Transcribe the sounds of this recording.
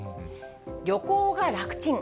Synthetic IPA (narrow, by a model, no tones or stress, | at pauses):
ɾʲjo̞koːɡaɾakɯ̟̥t͡ɕĩŋ